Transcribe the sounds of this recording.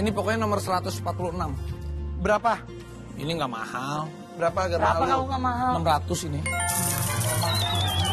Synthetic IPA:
inipokoɲanɔmərsəɾat̪ʊsmpat̪̚puluənambəɾapa | ḭniŋɡaʔma̰hal | bəɾapaɡaraalaŋɡamaɦanamɾat̪ʊsini

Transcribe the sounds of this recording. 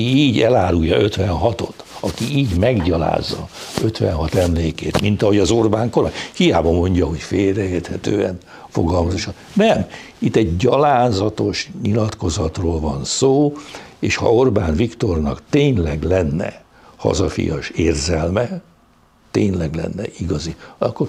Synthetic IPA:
iiːɟɛlaːɾujːɒø̞t̪ʋɛnɦɒt̪o̞t̪ɒkiiːɟmɛɡɟɒla̰ːzːɒøt̪ʋɛ̰nɦɒt̪ɛmleːkḛːt̪mint̪ɒɦo̞ɟɒzo̞rbaːŋkorhijaːbɒmo̞ɲɟɒɦo̞cfeːrrːɛeːrt̪hɛt̪øːɛn | fo̞̰ɡɒlmɒzoʃɒn | nɛm | it̪ːɛɟːɒlaːzɒt̪o̞ʃɲilɒt̪ko̞zɒt̪roːlvɒnsoːeːʃhɒ̰o̞rbaːnvikt̪o̞rnɒkt̪eːɲlɛɡlɛnːɛ̰ | hɒ̰zɒfḭjɒʃeːrzɛlmɛ | t̪eːɲlɛɡlɛ̰nːɛ̰ʔiɡɒziɒkːor

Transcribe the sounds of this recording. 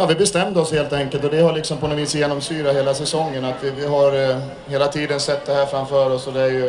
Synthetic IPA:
jɑvɪbɛst̪ɛmd̪əɔsheːlt̪ɛŋkəlt̪ɔd̪ɛɦaɭlɪksɔmpɔnɔviːsjeːnɔmsyːɾaheːlasɛsɔŋːənat̪vɪvɪɦaɾ | heːlat̪ʰiːd̪ənsɛt̪̚ːd̪ɛɦæːɾfɾamfœːɾɔsɔd̪ɛæɾjɵ

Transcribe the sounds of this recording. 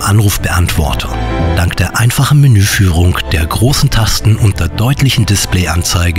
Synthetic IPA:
ʔanʁuːfb̥əʔantv̥ɔɐtʰɐd̥aŋkd̥eːɐʔaɪnfaχn̩menyːfyːʁ̞ʊŋd̥eːɐɡʁoːsn̩tʰastn̩ʔʊnt̚d̥eːɐdɔʏtʰlɪçn̩dɪsplɛːʔa̰nt͡saɪɡ

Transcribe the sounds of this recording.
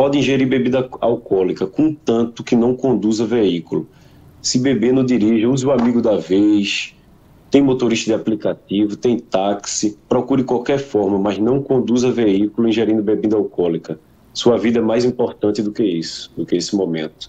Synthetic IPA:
pɔd̪ɪĩʒeɾiɾbebĩd̪ɐawkɔlikɐkõt̪ɐ̃t̪ʊkɪnɐ̃w̃kõnd̪uzɐveikulʊ | sɪbebenũd̪iɾiʒɪuzuamiɡʊd̪ɐvejʃ | t̪ẽj̃mot̪oɾiʃt̪ɐd̪ɪaplikat̪ivʊt̪ẽj̃t̪aksɪpɾɔkuɾɐd̪ɪkwawkɛɾfɔɾmɐmɐznɐ̃w̃kõnd̪uzɐveikulʊĩʒeɾĩnd̪ʊbebĩnd̪ɐawkɔlikɐ | suɐvid̪ɐɛmajzĩpoɾt̪ɐ̃t̪ɪd̪ʊkɪisʊ̥d̪ʊkɪesɪmõmḛ̃nt̪ʊ̥

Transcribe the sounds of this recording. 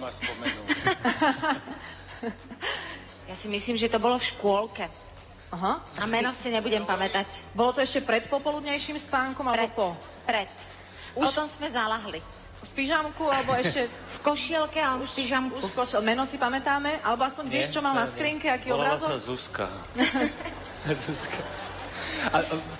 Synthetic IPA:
jasimisliːmʒɛt̪ɔbɔlɔfʃkʊɔlkɛ | aɦaamɛnɔsiɲɛbuɟɛmpamɛt̪acbɔlɔt̪ɔɛʃcɛpɾɛt̪pɔpɔlud̪ɲɛjʃimspaːŋkɔmaɾɛɔɔ | pɾɛt̪ | upɔɔmsmɛzalaɦli | fpiʒamkualɛbɔɛʃcɛ | fkɔʃɪɛlkɛauʃiʒamkukɔʃmɛnɔsipamɛt̪aːmɛʔalɛbɔaspɔɲʋɪɛʃt͡ʃɔmalnaskɾiːŋkɛakiːɔbɾaazɔazuska̰ | zuskʰa | a

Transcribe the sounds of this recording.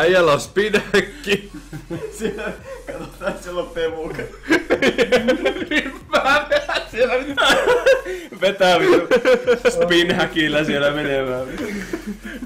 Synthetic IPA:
æjɑlɑspinhækːi | silːkɑt̪ot̪ɑːsielːopeʋuk | imʋææpet̪æt̪sielːæ | ʋet̪æʋi | spinhækilːæsielæmenemæː

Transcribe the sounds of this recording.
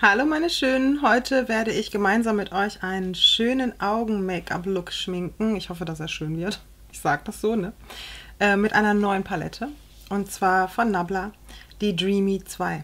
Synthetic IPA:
haloːmaɪnəʃøːnənɦɔʏtʰəveːɐɾəɪçɡ̥əmaɪnzaːmːɪtʔɔʏçʔaɪnənʃøːnənʔaʊɡŋ̩meɪkʔa̰plʊkʃmɪŋkŋ̩ɪçhɔfədas̬eːɐʃøːnvɪɐt | ʔɪçz̥aːɡəd̥asz̥oːnəʔɛːmɪtʔa̰ɪnɐnɔʏənpʰalɛ̰tʰə | ʔʊntt͡sv̥aːɐfɔnːabla | d̥iːdʁiːmit͡sv̥aɪ

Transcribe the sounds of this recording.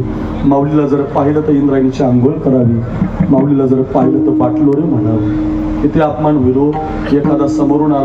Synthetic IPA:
mawlilad͡zəɾəpaɦilat̪əind̪ɾajnit͡ɕiaŋɡəlkəɾaʋi | mawlilad͡zəɾpaɦilat̪əʋaʈloɾem̤əɽ̃aʋe | it̪ʰeapmaɳʋilo | kiekad̪asəmɾuːnal

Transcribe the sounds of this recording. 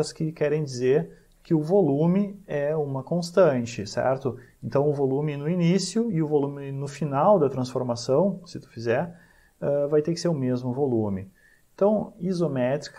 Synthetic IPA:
ɐskɪkɛɾẽj̃d͡ʒ̪izeɾ | kɪʊvolumɪɛũmɐkõst̪ɐ̃t͡ʃɪsɛ̰ɾt̪ʊẽnt̪ɐ̃w̃ʊvolumɪnʊinisjʊɪʊvolumɪnʊfinawd̪ɐt̪ɾɐ̃sfoɾmasɐ̃w̃sɪt̪u̥fizɛɾ | ɛvajt̪eɾkɪseɾʊmezmʊvolumɪ | ẽt̪ɐ̃w̃izomɛt̪ɾik

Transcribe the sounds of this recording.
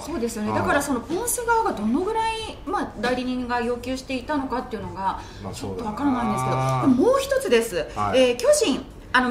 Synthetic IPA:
so̞ːd̪e̞sɨjo̞ne̞d̪akaɾaso̞no̞põɰ̃sɨɡaβɡad̪o̞no̞ɡɯ̟ɾaimad̪aiɾʲiɲ̟ĩŋɡajo̞ːkʲɨːɕi̥t̪e̞it̪ano̞kat̪ːe̞iɯ̟no̞ɡa | t͡ɕot̪ːo̞βakaɾanaĩnd̪esɨ̥ke̞d̪oemmo̞ːçi̥t̪o̞t͡sɨd̪e̞sɨeːkʲo̞ːʑĩŋ̃ | ano̞

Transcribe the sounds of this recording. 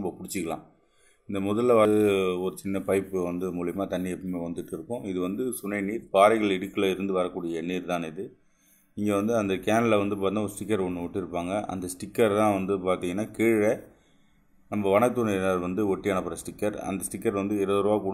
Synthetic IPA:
nɐmbɐpʊɽɪt͡ʃːɯkɐlã̰ː | ɪnd̪ɐmʊðɐlːɐʋɐɯɔɾɯt͡ʃɪnːɐpɐɪpːɯʋɐnd̪ɯmʊːɭɪjɐmaːt̪ɐnːiɐpːɐmeːʋɐnd̪ɯʈːɪɾɯkːʊ̃ɪðɯʋɐnd̪ɯsʊnɐɪniːɾpaːɾɐɪɣɐɭɪɽɯkːɯlɐɪɾɯnd̪ɯʋɐɾɐkːuːɽɪjɐniːɾt̪ãːnɪðɯ | ɪŋɡeːʋɐnd̪ɯɐnd̪ɐkeːnlɐʋɐnd̪ɯpaːɾt̪ɪnːaɔɾɯsʈɪkːɐɾɔnːɯɔʈːɪɾɯpːaːŋɡɐʔɐ̰nd̪ɐsʈɪkːɐɾt̪ãːʋɐnd̪ɯpaːɾt̪iːŋɡɐnːaːkiːɻɻe | nɐmbɐʋɐɳɐkt̪ːɯnɪnaːɾʋɐnd̪ɯɔʈːiɐnɐpːɐɾɐsʈɪkːɐɾɐ̰nd̪ɐsʈɪkːɐɾʋɐnd̪ɯɪɾɐðɔɾɯʋaːkuːɽ

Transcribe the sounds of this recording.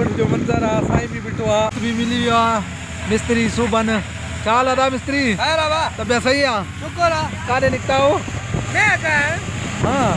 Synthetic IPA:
ʊʈd̪joːmənzəɾaːsaːĩːbiːbɪʈʰoːaːt̪biːmɪlioaː | mɪst̪ɾiːsʊbən | kʰaːlaːd̪aːmɪst̪ɾiːɦəɾaːbaːt̪ɐbjaːsəiːãːt͡ʃʊkoɾaːkaːneːnɪk̚ʈ̪aːoːmeːakaː | ɦãː

